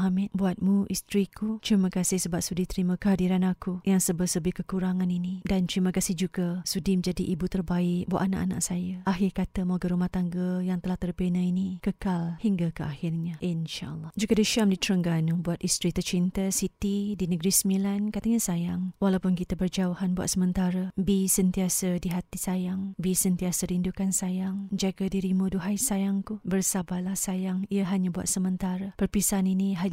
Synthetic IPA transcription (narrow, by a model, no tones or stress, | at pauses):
hamɪt̪buat̪̚muʔist̪ɾikut̪ɾimə̃kasɪhsəbap̚sudit̪əɾimə̃kəɦadiɾanakujaŋsəbəsəbɪkəkuɾaŋãninidant̪ɾiməkasɪhd͡ʒuɡasudiməd͡ʒadiʔibut̪ərbaɪʔk̚bua̰ʔana̰ʔana̰ʔsajaʔaɦɪrkat̪əmoɡəɾumaht̪aŋɡəjaŋt̪əlaht̪ərpenainikəkalhiŋɡakəahɪrɲaʔinʃa̰ʔəlːˠɑd͡ʒuɡadiʃamdit̪ɾəŋɡanubuat̪̚ist̪ɾit̪ərt͡ʃint̪əsit̪idinəɡɾismilankat̪aɲasajaŋwalawpʊnkit̪abərd͡ʒauhanbua̰t̪səmənt̪aɾabisənt̪iasadiɦat̪isajaŋbisənt̪iasəɾindukansajaŋd͡ʒaɡadiɾimuduɦajsajaŋkubərsabalahsajaŋiəɦaɲabua̰t̪̚səmənt̪aɾapərpisaniniɦa